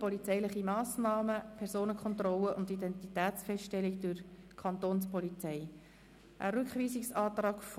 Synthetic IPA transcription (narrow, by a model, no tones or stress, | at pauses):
pɔlit͡sɛɪlɪχimɑːsnɑːməpʰɛɾsoːnəkʰχɔnt̪rɔləʔʊndidɛnt̪itæːtt͡sfɛstɛlikd̥ʊɾkʰɑnt̪oːnspɔlit͡sɛɪ | ʔə̰ɾʉkχʋiːsɪksɑːt̪rɑːkf